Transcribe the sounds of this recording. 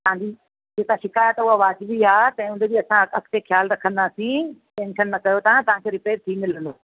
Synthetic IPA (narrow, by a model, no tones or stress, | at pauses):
t̪ɐãɲd͡ʑi | d͡ʑeːt̪ãʃɪkaːjət̪ʊɦaʋaːd͡ʑɪʋiaːt̪ɐ̃ĩʊnd̪ebiɐsãɐkt̪exʰjaːlɾɐkʰə̃nd̪aːsĩʈẽːnʃənːɐkɐjot̪ʰãt̪ɐʋ̤ãkʰeːɾɪpeːɾt̪ʰimɪlə̃nd̪oː